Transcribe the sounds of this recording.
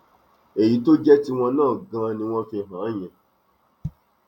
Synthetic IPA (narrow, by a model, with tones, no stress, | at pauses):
e˨ji˨˦to˦d͡ʒɛ˦ti˦w̃ɔ̃˧nãː˦˨ɡã˧nĩ˧w̃ɔ̃˦fi˧˨ɦã˨˦˨j̃ɛ̃˨